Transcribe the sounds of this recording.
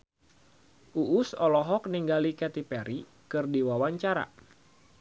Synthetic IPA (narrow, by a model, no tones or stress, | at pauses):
ʔuʔʊsɔlɔɦɔk̚niŋɡalikɛt̪ipɛɾi | kɨrdiwawaɲt͡ʃaɾa̰